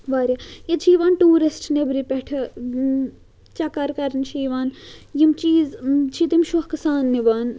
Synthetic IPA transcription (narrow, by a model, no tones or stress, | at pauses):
ʋaːɾʲjɐjɐt͡ʃʰiːʋaːnʈuːɾisʈʰnebɾipɛʈʰɨ | t͡ʃɐkɐɾkɐɾnʃiːʋaːnjimt͡ʃiːzt͡ʃʰit̪imʃuhkɐsaːnːibaːn